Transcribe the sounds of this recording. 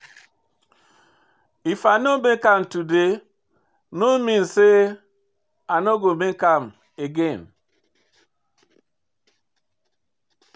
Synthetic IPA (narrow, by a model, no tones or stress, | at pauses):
ifanobekamtude | nominse | anoɡomeŋkam | eɡen